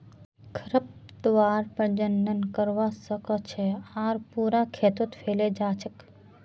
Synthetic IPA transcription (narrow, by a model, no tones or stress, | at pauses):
kʰəɾəp̚d̪ʋaːɾpəɾd͡ʒənːənkəɾʋasəkət͡ʃʰeaːɾpuːɾakʰeːt̪ot̪pʰeːled͡ʒaːt͡ʃʰək